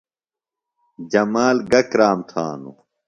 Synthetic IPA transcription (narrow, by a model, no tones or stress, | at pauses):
d͡ʑɐmaːlɡɐkɾaːmt̪ʰa̰ːnu